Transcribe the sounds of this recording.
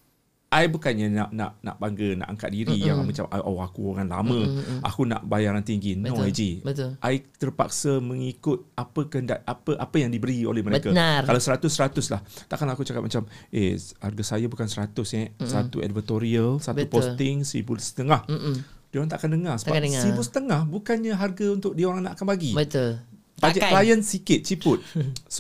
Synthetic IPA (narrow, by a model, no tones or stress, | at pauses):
ʔajbukanɲanaʔna̰ʔna̰ʔbaŋɡəna̰ʔaŋkat̪̚diɾijaamat͡ʃa̰mʔaʔoakuoŋanla̰mə̃ʔa̰kuna̰ʔbajaɾant̪iŋɡinõad͡ʒiət̪ʊlʔajt̪ərpa̰k̚səmə̃ŋikʊt̪̚apəkəɦəndaʔapəʔapəjaŋdibəɾio̰lɛhməɾekaakalawsəɾat̪ʊsːəɾat̪ʊslaht̪aʔkanlakut͡ʃakap̚mat͡ʃamʔḛha̰rɡasajabukansəɾat̪ʊsesəat̪ṵɛ̰dvət̪oɾiəlsatb̪utposɪŋsəɾḭbusə̥t̪əŋahdioɾaŋt̪aʔkandəŋasəbaŋsəibusə̥t̪əŋahbukanɲaɦarɡaunt̪ʊk̚dioɾaŋnaʔkanpaɡibət̪ul | bad͡ʒaʔklajənsikɪt̪̚t͡ʃipʊt̪̚